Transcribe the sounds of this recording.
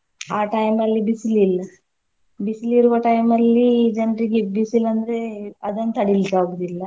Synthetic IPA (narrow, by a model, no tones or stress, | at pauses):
aːʈɐjmɐlːibisililːɐ | bisiliɾuʋɐʈɐjmɐlːid͡ʒɐnɾiɡebisilɐnd̪ɐɾeɐd̪ɐnːɐt̪ɐɽilikaːɡud̪ilːɐ